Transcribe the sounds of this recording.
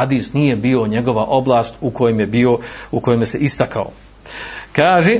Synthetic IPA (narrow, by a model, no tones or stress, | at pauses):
ad̪iːsnije̞biːo̞ɲe̞ɡo̞ʋaʔo̞blˠaːst̪uko̞jemje̞bio̞uko̞jemjese̞ʔist̪akao̰ | kaːʒe